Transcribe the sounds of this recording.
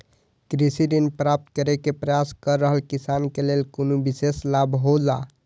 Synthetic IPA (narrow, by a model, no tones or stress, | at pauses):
kɾisiɾinpɾap̚t̪kəɾekepɾəjaskəɾːəɦəlkisankelelkonubiseslabʱɦod͡ʒa